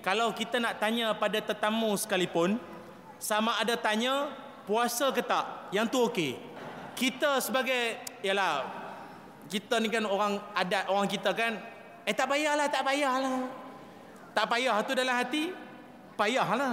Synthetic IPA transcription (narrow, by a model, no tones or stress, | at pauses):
kalawkit̪ənaʔt̪aɲəpadat̪ət̪amũsə̥kalipʊn | samaːdat̪aɲə̃ | puasakət̪aʔjaŋt̪uokekit̪əsəbaɡajjalah | kit̪ənikanoɾaŋadat̪oɾaŋkit̪əkan | ət̪aʔpajahlaht̪aʔpajahla | t̪aʔpajaht̪udalamɦat̪i | pajaɦlah